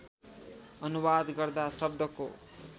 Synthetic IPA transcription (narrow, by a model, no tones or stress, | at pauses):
ʌnubad̪ɡʌrd̪asʌbd̪ʌko̰